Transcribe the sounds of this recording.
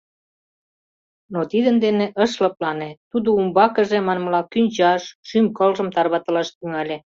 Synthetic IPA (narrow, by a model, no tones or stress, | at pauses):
not̪id̪ənd̪eneʔəʃlɤ̆plɑnet̪ud̪oumbɑkə̆ʒemɑnməlɑkynʲt͡ɕɑʃʃymkəlʒə̆mt̪ɑrβɑt̪ə̆lɑʃt̪yŋɑlʲe